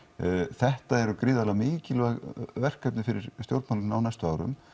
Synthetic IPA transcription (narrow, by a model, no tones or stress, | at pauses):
θɛht̪aɛɾʏkɾɪːðaðlmɪːcɪlaɣvɛr̥kːapnɪfɪɾɪɾ̥st̪jowɾt̪mawlmnaːwnajst̪ʏaːwɾʏ̰m